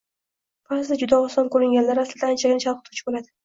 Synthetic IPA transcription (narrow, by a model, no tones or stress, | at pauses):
bazd̪ɪd͡ʒʊd̪aɒsɒnkɵɾɪŋɡʲanlaɾaslɪd̪ant͡ʃʰaɡʲɪnɪt͡ʃʰalˠqʰɨt̪ʰu̥t͡ʃʰɪbolad̪ɪ